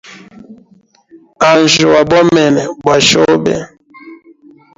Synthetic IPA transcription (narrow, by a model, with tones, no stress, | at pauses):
a˨n˨ʒo˨wa˨bɔ˦mɛ˨nɛ˨bwa˨ʃɔ˦bɛ̰˨